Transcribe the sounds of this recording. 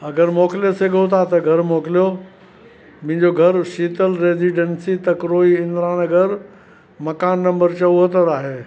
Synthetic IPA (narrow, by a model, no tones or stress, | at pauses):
ɐɡəɾmoːkɪlijeseɡʱot̪ʰat̪ɐɡʱɐɾmoːkɪlijo | mʊ̃ɦɪ̃ɲd͡ʑoɡʱɐɾʃiːt̪əlɾeːziɖənsit̪ɐkɾoːiɪ̃nd̪ɾaːñɐɡəɾ | mɐkaːnːɐ̃mbəɾt͡ɕɐʋuɦət̪əɾaːɦeː